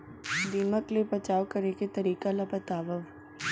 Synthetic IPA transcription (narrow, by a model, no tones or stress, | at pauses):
d̪iːməklepɐt͡ʃaːʋkɐɾeket̪ɐɾiːkalabɐt̪aːʋəʋ